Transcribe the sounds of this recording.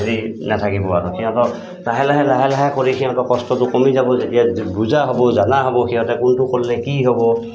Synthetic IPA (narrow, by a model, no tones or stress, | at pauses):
ɦeɹinatʰakibɔatɔkʰiɦɔ̃tɔ | laɦɛlaɦɛlaɦɛlaɦɛkoɹikʰiɦɔ̃tɔkɔstɔtʊkomizabɔzetijabuzaɦɔbɔzanaɦɔbɔxiɦɔtɛkʊntʊkolːɛkiɦɔbɔ